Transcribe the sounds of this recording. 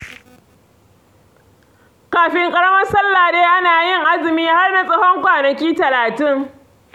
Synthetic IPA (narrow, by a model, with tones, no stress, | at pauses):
kaː˨ɸɪ˨ŋkʼɐ˦ɽɐ˦mɐ˦sɐ˦lːa˨deː˦ʔa˦naː˨jɪ˦ŋʔa˦zɪ˨miː˦ha˦rna˨sʼɐ˦hɔ˦ŋkʷaː˨nɐ˨kʲiː˦tɐ˨laː˨tɪ˦ŋ